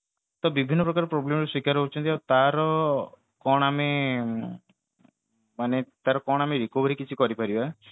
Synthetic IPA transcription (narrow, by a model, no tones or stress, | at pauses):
t̪ɔbibʱinːɔpɾɔkaɾɔpɾoblemɾeswikaɾɦot͡ʃʰɔnt̪iawt̪aɾɔ | kɔɽ̃ame | manet̪aɾɔkɔɽ̃ameɾikobʱɔɾikit͡ʃʰikɔɾipaɾiba